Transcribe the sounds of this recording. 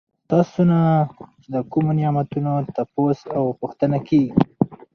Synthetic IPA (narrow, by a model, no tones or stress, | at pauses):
t̪ɑsona | d̪əkumonjɑmat̪unot̪aposawpuxt̪ənakeɡii